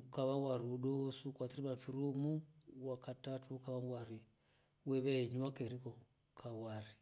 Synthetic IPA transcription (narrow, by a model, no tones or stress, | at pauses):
ukaβawaɾiuɗosukwat̪iɾimaɱfiɾumuwakatatuukaβawaɾi | wɛβɛɛɲuwakeɾikɔ | kʰawaɾi